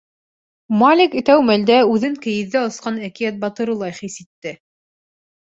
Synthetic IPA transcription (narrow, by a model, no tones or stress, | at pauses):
malʲikɘ̆t̪æwmæld̪æʉðɘŋkɘ̆jɘ̆ðːæŏsqɑnækijæt̪̚bɑt̪ɤ̆ɾɤ̆lˠɑjχisit̪ːɘ